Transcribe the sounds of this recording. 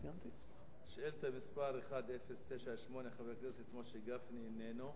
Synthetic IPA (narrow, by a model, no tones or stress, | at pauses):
amt̪i | ʃelt̪amispaɾeχad̪ʔefest̪eʃaʃmo̞neχavekneset̪kmoʃeɡafniːneno